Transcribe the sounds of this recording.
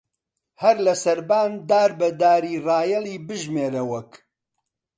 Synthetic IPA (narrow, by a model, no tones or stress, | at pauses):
hɐɾlɐsɐɾbaːnd̪aːɾbɐd̪aːɾiːraːjɐlˠiːbɨʒmeːɾɐwɐk